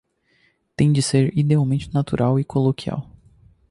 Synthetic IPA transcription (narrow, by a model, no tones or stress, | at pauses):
t̪ẽj̃d͡ʒɪseɾid̪eawmẽnt͡ʃɪnat̪ṵɾʔawɪkʰolokia̰w